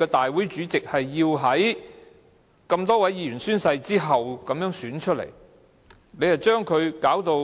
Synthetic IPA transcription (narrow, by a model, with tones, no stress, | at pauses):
ɛː˧t̪aː˨jwuː˨˥jt͡ʃyː˨˥t͡sɪ˨k̚hɐ˨jːiː˧wɦɐ˨˥j | kɐ˧mt̪ɔː˥wɐ˨˥jjiː˨˧jyː˨˩nsyː˥nsɐ˧jt͡siː˥ɦɐ˨wkɐ˨˧mjœː˨˥ŋsyː˨˥nt͡ʃʰɵ˥t̚lḛ˨˩j | ne˨˧jhɐ˨˩wt͡ʃœː˥ŋkʰɵ˨˧ɥkaː˨˥wt̪o˧w